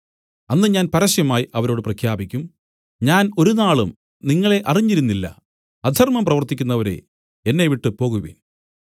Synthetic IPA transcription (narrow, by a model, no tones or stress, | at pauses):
ɐnːɨɲaːnpɐɾɐɕjɐmaːjiɐʋɐɾo̞ːɽɨprɐkʰjaːbikʲːum | ɲaːno̞ɾunaːɭum | niŋːɐɭe̞ʔɐriɲːiɾunːilːɐ̰ | ɐd̪ʱɐrmɐmprɐʋɐrt̪ikʲːunːɐʋɐɾe̞̰ | enːeʋiʈːɨpo̞ːɣuʋḭːn